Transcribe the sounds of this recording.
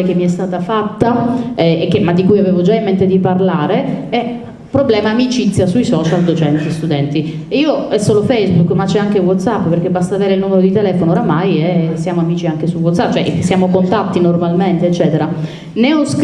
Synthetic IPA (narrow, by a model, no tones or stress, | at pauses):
ek̟emːiɛst̪aːt̪afat̪ːaɛekːemad̪ːikujaveːvod͡ʒaimːent̪ed̪iparlaːɾeɛ | pːɾoblɛːmaːmit͡ʃit̪sːjasuisɔːt͡ʃald̪ot͡ʃɛnt̪ist̪ud̪ɛnt̪i | iːoɛsːoːlofɛjzbukːmat͡ʃːɛaŋkewɔt̪sapːpeɾrk̟ebːast̪aːveːɾeilnumeɾod̪it̪elɛːfonooːɾamajɛsjaːmoamiːt͡ʃiaŋkesuwɔt̪sapːt͡ʃoɛ̰ʔsjaːmokont̪at̪ːinormalment̪eːt͡ʃːɛːt̪eɾa | neɔsk